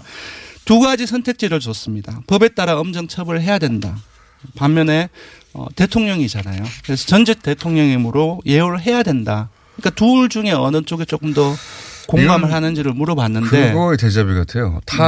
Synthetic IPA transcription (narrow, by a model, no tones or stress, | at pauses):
tuɡad͡ʑisʰʌntʰe̞k̚t͡ɕ͈iɾɯɭt͡ɕʌs͈ɯmɲidapʌbe̞t͈aɾaʌmd͡ʑʌŋt͡ɕʰʌbɯɭɦe̞jadwe̞nda̰ | pamːjʌne̞ | ʌ̰te̞tʰoŋɲʌŋid͡ʑanajokɯɾe̞sʰʌt͡ɕʌnd͡ʑek̚t͈e̞tʰoŋɲʌŋimɯɾoje̞oɾɯɦe̞jadwe̞nda | ɯɲik͈atuɭd͡ʑuŋe̞ʌnɯnt͡ɕ͈oɡet͡ɕ͈ok͈ɯmdʌkoŋɡamɯɭhanɯnd͡ʑiɾɯɭmuɾʌbanːɯnde̞ɡʌeted͡ʑʌbiɡatʰejo̰ta